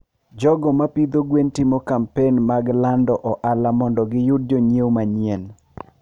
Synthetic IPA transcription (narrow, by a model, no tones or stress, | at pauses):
d͡ʒɔɡɔmapid̪oɡwentɪmokampenmaɡlandɔʔɔʔalamɔndɔɡɪjʊd̚d͡ʒoɲiewmaɲjen